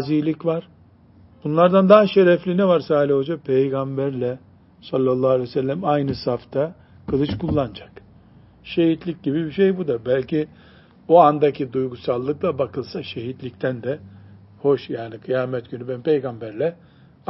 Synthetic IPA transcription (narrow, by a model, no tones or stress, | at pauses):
zilʲicvaɾ̥ | b̥unlˠaɾd̪and̪aɦaʃeɾɛflʲinɛvaɾsaːlʲihod͡ʒapʰejɡambæɾlʲɛ | salʲːalˠːaːlʲɛjsælʲːæmajnɯsaft̪ʰa | kʰɯlˠɯt͡ʃkʰulˠːand͡ʒḁk | ʃe̞hit̪lʲic̚ɟibibiʃejbud̪abælʲcʰi | oand̪acʰid̪ujɡusalˠːɯklˠabakʰɯlˠsaʃe̞ɦit̪lʲict̪ʰænd̪ɛ | ho̞ʃjaːnikʰɯjaːmɛt̪ɟ̥ynybænmpʰe̞jɡambæɾlʲɛ